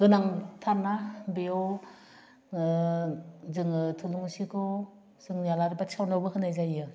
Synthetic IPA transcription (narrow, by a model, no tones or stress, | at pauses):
ɡ̥ɯnaŋtʰaɾnabeo | zɯŋɯtʰɯluŋsikʰɔ | z̥ɯŋjalaɾibat͡ʃawnawbɯɦɯnajzajɯ